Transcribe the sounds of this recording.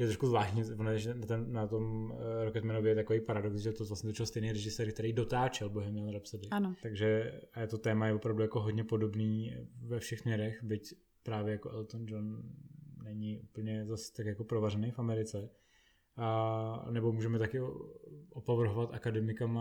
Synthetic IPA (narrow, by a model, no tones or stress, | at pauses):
jɛt̪ɾoʃkuzvlaːʃɲivonanat̪ɛnnat̪omɾokɛt̪mɛnovjɛɛt̪akovejpaɾadoksʒɛt̪ovlastɲɛt̪ot͡ʃɪlst̪ɛjnejɾɛʒɪsɛːɾk̚t̪ɛɾejdo̞t̪aːt͡ʃɛlboɦɛmjanɾapsadɪant̪aɡʒɛaɛt̪o̞t̪ɛːmajɛvopɾavdujako̞ɦodɲɛpo̞do̞bniːvɛfʃɛxsmɲɛɾɛxbɪc | pɾaːvjɛjakoʔɛlt̪ond͡ʒonː | ɛɲɪʔupl̩ɲɛzast̪akjako̞pɾovarɛnejfamɛɾɪt͡sɛ | anɛbo̞muːʒɛmɛt̪akɪʔopovr̩ɦovat̪ʔakadɛmɪkama